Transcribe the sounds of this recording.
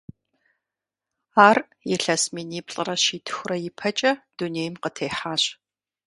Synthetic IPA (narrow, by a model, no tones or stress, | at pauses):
aːr | jɛɬɐsmiːniːpɬʼɨrɐɕiːtʰɨ̥xʷʊrɐjɪpʰɐt͡ʃʼɐd̥uneːjmqətʰeːħaːɕ